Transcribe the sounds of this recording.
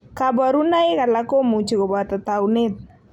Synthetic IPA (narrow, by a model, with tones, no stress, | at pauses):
ka˨ba˨ɾu˦na˦ɪ˦ka˨la˦ko˦mu˨t͡ʃi˨kɔ˨ba˨t̪a˨ta˨wnɪ˦t̪̚